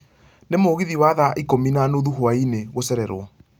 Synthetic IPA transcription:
nemoɣiðiwaðaʔikominanoðuhoaineɣosɛɾɛɾwɔ

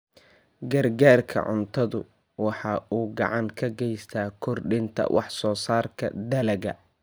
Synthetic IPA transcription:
ɡɐrɡaːrkʰɐ̰ʕʊnt̪ʰɐðʊ | wɑħɑːʔuːɡɑ̰ʕɑŋkʰɐɡɛjst̪ʰaːkʰɔrɖɪnt̪ʰɐ̰wʔɑ̰ħsɔːsaːrkʰɐ̰d̪ɐlɐɣɐ̰

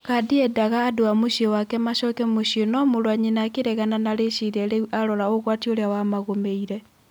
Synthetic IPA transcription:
kadiɛdaɣaːdoamoʃiewakɛmaʃɔkɛmoʃionɔmoɾwaɲenakeɾɛɣananaɾeʃiɾɛɾeʔaɾɔɾaoɣwatioɾeawamaɣomeiɾɛ

